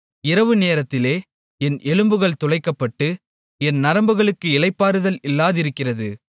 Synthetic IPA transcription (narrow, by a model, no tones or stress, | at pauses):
ɪɾɐʋɯneːɾɐt̪ːɪleː | ɛnʔɛɭɯmbɯɣɐɭt̪ɔlɐɪkːɐpːɐʈːɯ | ɛnnɐɾɐmbɯɣɐɭɯkːɯɪɭɐɪpːaːɾɯðɐlɪlːaːðɪɾɯkːɪrɐðɯ